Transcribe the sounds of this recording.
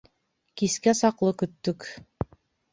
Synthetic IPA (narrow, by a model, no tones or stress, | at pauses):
kiskæsɑqlˠɤkɵ̆t̪ːɵk